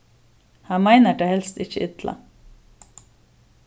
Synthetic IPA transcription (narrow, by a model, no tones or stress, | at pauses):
hɑːmæɪnəɖehɛlst̪ɪçəʔɪt̪lʔɑ̰